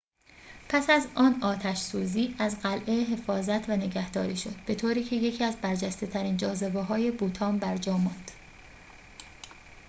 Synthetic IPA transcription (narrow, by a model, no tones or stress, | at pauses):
pʰæsæzɒːnɒːt̪ʰæʃsuːziːʔæzɢælʔeɦe̞fɒːzæt̪ʰvæne̞ɟæhd̪ɒːɾiːʃo̞̰d̪̥̚b̥e̞t̪ʰoːɾiːcʰe̞je̞cʰiæzbæɾd͡ʒæst̪e̞t̪ʰæɾiːnd͡ʒɒːzebeɦɒːje̞buːt̪ʰɒːmbæɾd͡ʒɒːmɒnd̪̥